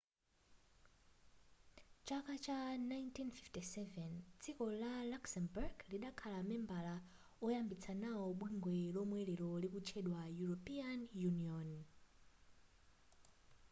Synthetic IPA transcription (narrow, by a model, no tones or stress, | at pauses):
t͡ʃakat͡ʃanajntʰinfiftisɛvɛnt͡sʰikɔlalaksɛmburɡliɗakʰalamɛmbala | ɔjambit͡sʰanaɔɓwiŋɡwɛlɔmwɛlɛɾɔlikut͡ʃʰɛɗwajuɹɔpianjuniɔn